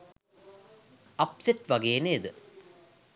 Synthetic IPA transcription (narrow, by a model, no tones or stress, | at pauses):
ɐpseʈʋɐɡeːneed̪ə